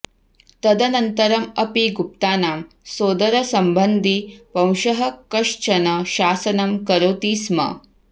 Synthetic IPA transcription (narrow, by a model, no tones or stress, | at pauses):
t̪ɐd̪ɐnɐnt̪ɐɾɐmɐpiɡup̚t̪aːnaːm | soːd̪ɐɾɐsɐmbɐnd̪ʱipɐ̃wʃɐɦɐkɐʂt͡ʃɐnɐʃaːsɐnɐmkɐɾoːt̪iːsmɐ̰